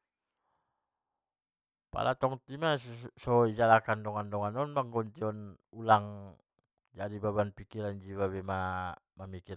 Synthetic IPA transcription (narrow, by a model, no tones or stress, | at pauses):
pa̰lʔat̪ɔŋt̪imasɔid͡ʒalakandɔŋandɔŋanɔnmaŋɡɔɲt͡ʃiɔnulaŋ | d͡ʒadibabanpikiɾand͡ʒiwabɛma | mamiki